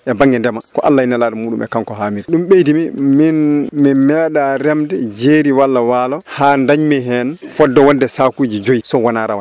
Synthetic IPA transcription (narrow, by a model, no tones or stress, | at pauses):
ʔɛbaŋɡɛndɛmakɔʔa̰lːainalaːɗɛmuːɗṵmɛ̰kaŋkɔɦaːmiɾiɗumɓejdimiminmimɛɗaɾɛmdɛd͡ʒeːɾiwalːawaːlɔhandaɲmɛɦɛn | fɔdːɔwɔndɛsakuːd͡ʒid͡ʒojisɔwɔnaːɾawan